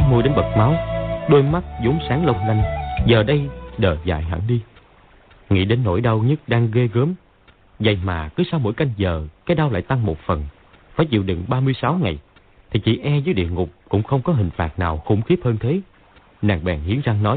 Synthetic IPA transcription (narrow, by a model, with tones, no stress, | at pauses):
mu˧jɗe˨˦nɓə˨˩t̚ma˨˦wɗo˧jma˦˥t̚zo˨˦msaː˨˦ŋlə˧wŋ͡mla˧jŋ̟zəː˨˩ɗə˧jɗəː˨˩za̰ː˧˨jɦə̰˧˩ŋɗi˧ | ŋḭ˧˥ɗe˨˦nːo̰˧˩jɗa˧wɲə˦˥t̚ɗaː˧ŋɣe˧ɣəː˨˦m | za̰˨˩jmaː˨˩kɨ˨˦saː˧wmo̰˧˥jka˧jŋ̟zəː˨˩kaː˨˦jɗa˧wla̰ː˧˨jt̪a˧ŋmo˨˩t̚fə˨˩n | faː˧˩jt͡ɕḭ˧˨əwɗɨ̰˧˨˩ŋɓaː˧mɨ˧əjsa˨˦wŋa˨˩j | t̪ʰi˨˩t͡ɕḭ˧˩ʔɛ˧zɨ˨˦jɗḭ˧˨əŋʊ˨˩k͡p̚kʊ̰˧˥ŋ͡mxə˧wŋ͡mkɔ˨˦ɦï˨˩ŋ̟faː˨˩t̚naː˨˩wxʊ̰˧˩ŋ͡mxi˦˥əp̚həː˧nt̪ʰe˨˦ | naː˨˩ŋɓɛ̰ː˨˩ŋhḭ˨˦ənzaː˧nɔ˨˦j